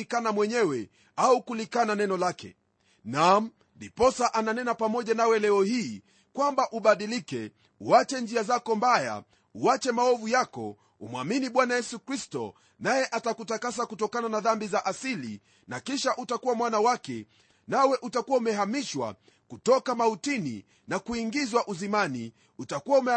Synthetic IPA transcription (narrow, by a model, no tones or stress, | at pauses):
ikanamwɛɲɛwɛ | aukulikananɛnɔlakɛ̰ | nam̩ | lipɔsaʔananɛnapamɔʄanawɛlɛɔhiː | kwambaʔuɓaɗilikɛ | uat͡ʃɛnd͡ʒiazakɔmbaja̰ | uat͡ʃɛmaɔvujakɔ̰ | umwaminiɓwanajɛsukɾistɔ̰ | najɛʔatakutakas̬akutɔkananaðambizaʔasilḭ | nakiʃaʔutakuwamwanawakɛ | nawɛʔutakuwaumɛɦamiʃwa̰ | kutɔkamautinḭ | nakuiŋɡizwaʔuzimani | utakuwaumɛ